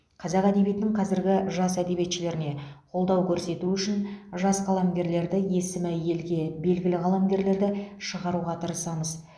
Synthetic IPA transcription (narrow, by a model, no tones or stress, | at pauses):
qʰɑzɑqæd̪e̞bijet̪ɪnɪŋqʰɑzɪɾɡʲɪʒɑsæd̪e̞bijet̪ʃɪle̞ɾɪne̞qʰo̞lˠd̪ɑwkʲʰɵɾse̞t̪uʏʃɪnʒɑsqɑlˠɑmɡʲe̞ɾle̞ɾd̪ɪje̞sɪmɪje̞lɡʲe̞be̞lɡʲɪlɪʁɑlˠɑmɡʲe̞ɾle̞ɾd̪ɪʃəʁɑɾuʁɑt̪ʰəɾəsɑməz